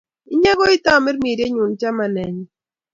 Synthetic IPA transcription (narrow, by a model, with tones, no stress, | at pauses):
ɪ˦ɲa˦ɣɔ˦i˦t̪a˦˨mɪ˦ɾmi˨ɾe˦ɲu˨nt͡ʃa˦ma˨nɛ˨ɲ